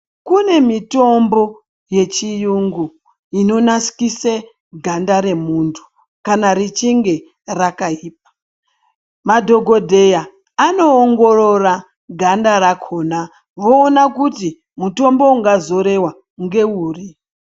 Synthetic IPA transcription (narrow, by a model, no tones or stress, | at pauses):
kune̞mito̞mbo̞ | je̞t͡ʃijuŋɡu | ino̞nasi̥kise | ɡʱandaɾe̞muntʰu̥ | kanaɾit͡ʃiŋɡe̞ | rakaiːp̚ḁ | madʱoɡʱo̞dʱe̞ja | ano̞ːŋɡo̞ro̞ra | ɡʱandaɾakʰo̞na | ʋoːnakuti | muto̞mbo̞uŋɡazo̞ɾe̞wa | ŋɡe̞uːri